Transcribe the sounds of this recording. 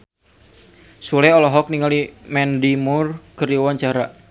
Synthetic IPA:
sulɛɔlɔɦɔk̚niŋalimɛndimurkəɾiwaɲt͡ʃaɾa

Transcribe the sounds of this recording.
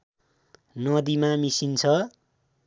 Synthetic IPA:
nʌd̪imamisint͡sʰʌ

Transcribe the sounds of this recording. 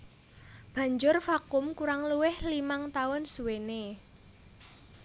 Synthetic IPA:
b̥a̤ɲd͡ʒʊrfakʊmkuɾaŋluwɪhlimaŋt̪aʊnsuwene

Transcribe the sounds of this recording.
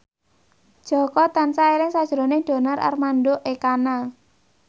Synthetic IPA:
d̥ʒ̥ɔ̤kɔt̪ansaeɾɪŋsad̥ʒ̥ɾonɪŋɖ̪̥o̤naɾʔa̰rmanɖoʔekana

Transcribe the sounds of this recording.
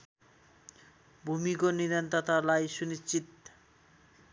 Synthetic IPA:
bʱumikoniɾent̪at̪alajʃunit͡ɕit̪̚

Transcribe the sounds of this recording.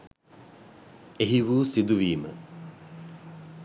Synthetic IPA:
eɦiʋuːsid̪uʋiːmə̰

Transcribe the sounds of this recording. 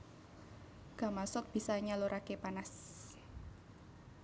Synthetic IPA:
ɡ̥a̤masɔk̚b̥i̤saɲaloɾʔakepanas

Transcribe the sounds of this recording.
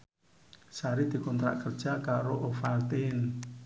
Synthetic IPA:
saɾid̪̥i̤kɔnt̪ɾa̰ʔkərd̥ʒ̥a̤kaɾoʔofalt̪ɪn

